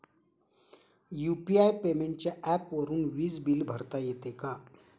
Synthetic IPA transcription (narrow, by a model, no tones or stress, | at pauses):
juːpiajpemẽɳʈ̚t͡ɕjaʔɛpʋəɾuːnʋiːsbilbʱəɾt̪ajet̪eka